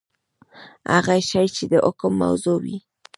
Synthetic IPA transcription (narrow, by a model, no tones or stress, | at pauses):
ha̰ɣajʃajt͡ʃed̪əʔʊkəmːa̰wzowi